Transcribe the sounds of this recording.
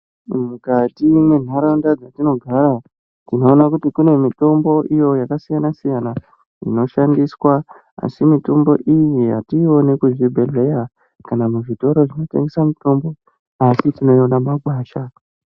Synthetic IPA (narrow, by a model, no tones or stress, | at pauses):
mukatimwe̞n̤aɾaundad͡zatino̞ɡʱaɾa | tino̞ːnakutikune̞mito̞mbo̞ʔijo̞jakasijanasijana | ḭno̞ʃandiswa | a̰simito̞mbo̞̰ʔijija̰tio̞ne̞kuʐibʱe̞ɮe̞ja | kanamuʐito̞ɾo̞ʐino̞te̞̰ŋɡesamito̞mbo̞ | asitino̞ionamaɡʱwaːʃa